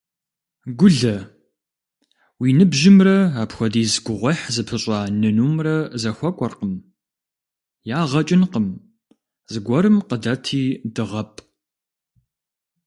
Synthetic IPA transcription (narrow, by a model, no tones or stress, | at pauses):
ɡʷʊɮɐ | wiːnɨbʒɪmrɐaːpxʷɔdiːzɡʷʊʁʷɐħzɨpʰɨɕʼaːnɨnuːmrɐzɐxʷɔkʷʼɔrqəm | jaːʁɐt͡ʃʼɪnqəm | zɨɡʷɔɾɨmqədɐtʰiːdɨʁɐpʼ